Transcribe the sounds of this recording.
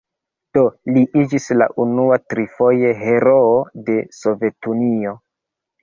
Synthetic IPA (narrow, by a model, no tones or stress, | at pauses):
d̥o̞liʔid͡ʒisla̰ʔunuatɾifo̞jeɦe̞ɾo̞ːde̞so̞ve̞tunio̞